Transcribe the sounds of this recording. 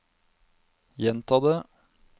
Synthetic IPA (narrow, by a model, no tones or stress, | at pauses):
jɛnt̪ʰɑd̪ə